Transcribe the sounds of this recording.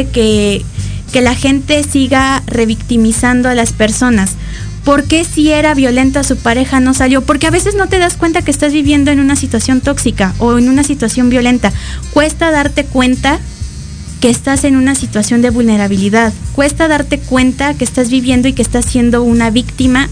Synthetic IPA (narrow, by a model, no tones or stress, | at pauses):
ke | ke̞laxe̞nt̪e̞siɣare̞βikt̪imisand̪oalaspe̞ɾso̞nas | po̞ɾke̞sie̞ɾaβjo̞le̞nt̪oasupaɾe̞xano̞saljo̞po̞ɾke̞aβe̞se̞zno̞t̪e̞ðaskwe̞nt̪akeːst̪azβiβje̞nd̪o̞e̞nũnasit̪wasjo̞nt̪o̞ksikao̞enũnasit̪wasjo̞mbjo̞le̞nt̪akwe̞st̪aðaɾt̪e̞kwe̞nt̪a | ke̞ːst̪ase̞nũnasit̪wasjo̞nd̪e̞βulne̞ɾaβ̞iliðaðkwe̞st̪aðaɾt̪e̞kwe̞nt̪ake̞ːst̪azβiβje̞nd̪o̞ikest̪asːje̞nd̪o̞unaβikt̪ima